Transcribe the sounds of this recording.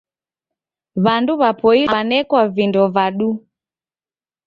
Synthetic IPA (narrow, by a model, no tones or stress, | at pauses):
βanduβapɔiɓanɛkwavindɔvaɗu